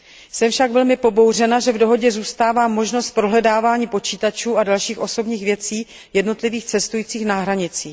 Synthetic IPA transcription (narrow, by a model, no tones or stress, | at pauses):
sɛmfʃaɡvɛlmɪpo̞bo̞wr̝ɛnaʒɛvdo̞ɦo̞ɟɛzuːst̪aːvaːmːo̞ʒno̞st̪̚pɾo̞ɦlɛdaːvaːɲiːpo̞t͡ʃiːt̪at͡ʃuːadalʃiːxʔo̞so̞bɲiːxvjɛt͡siː | jɛdno̞t̪lɪviːxt͡sɛst̪ujiːt͡siːxnaɦɾaɲɪt͡siː